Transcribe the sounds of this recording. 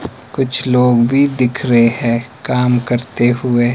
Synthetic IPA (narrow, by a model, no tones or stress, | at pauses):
kʊt͡ʃʰloːɡbʱid̪ɪkʰɾɐɦeɦɛ̃kaːmkɐɾt̪eɦʊe